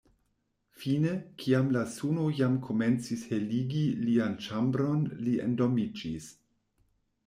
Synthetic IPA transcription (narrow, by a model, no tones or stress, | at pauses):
finekʰiamlasunojamkʰo̞ment͡sisheliɡiliant͡ʃambɾo̞nliḛndomid͡ʒis